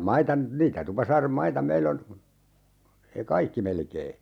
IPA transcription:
mɑitɑ niːtæ tupɑsɑːrem mɑitɑ meilː on ekɑikːi melkeː

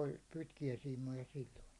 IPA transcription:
olʲ pitkiæsiːmˑojɑ silːoiŋki

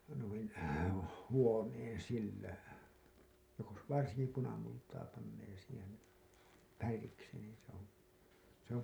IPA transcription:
nuin huoneːn silːæ jos ʋɑrsiŋki punɑmultɑː pɑnːeː siːhen̞ færiksi niː se on̞ se om

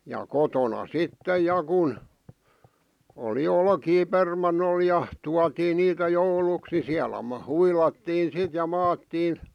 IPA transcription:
jɑ kotonɑ sitːej̆ jɑ kun oli olkiː permɑnːol jɑ tuɑtiː niːtæ jouluks ni siælæ mɑː huilɑtːiːn sit jɑ mɑːtːiːn

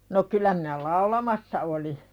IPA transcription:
no kylɑ minæ lɑulɑmɑsːɑ oli

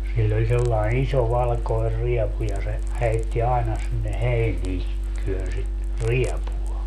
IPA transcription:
silʲl olʲ selːɑen iso ʋɑlkoer riɛpu jɑ se heitːi ɑenɑ sinːe heiniː tyønsi riɛpuɑ

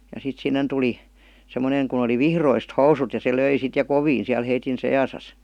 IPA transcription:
jɑ sit sinːen tuli semːoneŋ kun oli ʋihroist housut jɑ se løi sit jɑ koʋiːn̞ siæl heitin sejɑsɑs

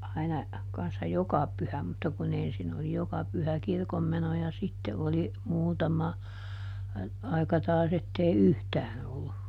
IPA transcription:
ɑinɑ kɑnsːɑ jokɑ pyhæ mutːɑ kun ensin oli jokɑ pyhæ kirkomːeno jɑ sitːe oli muːtɑmɑ ɑikɑ tɑːs etːei yhtæːn olːu

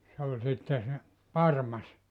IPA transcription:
se olʲ sitːe se pɑrmɑs

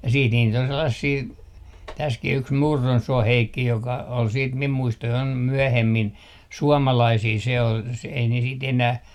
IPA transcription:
jɑ siːt niːt on selːɑsiː tæskih yks murːonsuoh heikːi jokɑ ol siːt mim muistojɑim myøhemːin suɔmɑlɑisiː se ol se ei ne siːt enæh

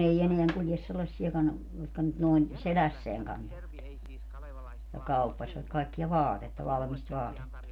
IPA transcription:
ei eneæŋ kuljes selːɑsːiɑkɑn jotkɑ nyt noin selæsːeæŋ kɑntoʋɑt jɑ kɑupːɑsʲʋɑt kɑikːiɑ ʋɑːtetːɑ ʋɑlmist ʋɑːtetːɑ

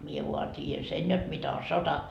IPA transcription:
mie ʋuɑ tʲiːjæn sen jot mitæ o sotɑ

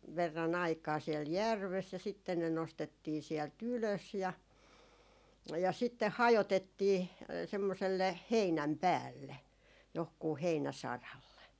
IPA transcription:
ʋerːɑn ɑikɑː siel jærʋes jɑ sitːen ne nostetːiː siɛlt yløs jɑ jɑ sitːeh hɑjotetːiː semːoselːe heinæm pæːlːe johkuː heinæsɑrɑlːe

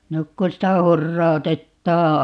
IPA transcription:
nyk kun sitæ hurːɑu̞tetːɑː

